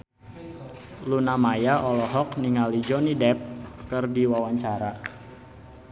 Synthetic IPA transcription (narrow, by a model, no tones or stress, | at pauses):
lunamajaʔɔlɔɦɔkniŋalid͡ʒɔnidɛp̚kɨrdiwawaɲt͡ʃaɾa